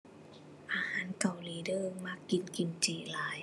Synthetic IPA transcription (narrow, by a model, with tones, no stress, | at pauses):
ʔaː˧˦haː˨˦˥nka˧˩wliː˨˦dɤː˧˩ŋma˧˥˩kːi˨˩nki˨˩nt͡ɕiː˧˩laː˨˦j